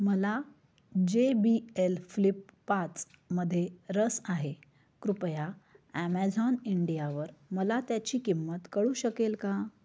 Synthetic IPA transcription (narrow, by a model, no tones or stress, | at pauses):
məla | d͡ʑebielflipːat͡s | məd̪ʱːjeɾəsaɦe | kɾupjaæmæd͡zɔniɳɖijaʋəɾməlat̪jat͡ɕiːkimːət̪kəɭuːɕəkelka